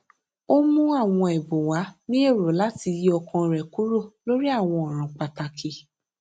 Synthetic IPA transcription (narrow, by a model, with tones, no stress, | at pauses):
o˦mũ˦a˦˨w̃ɔ̃˧ɛ˨bõ˨wa˨˦nĩ˦e˦˨ɾo˨la˨˦ti˧ji˧ɔ˧kã˧˨ɾɛ˨ku˨˦ɾo˦˨lo˦ɾi˦a˦˨w̃ɔ̃˧ɔ˨ɾ̃ã˨k͡pa˧ta˧kʰi˧˨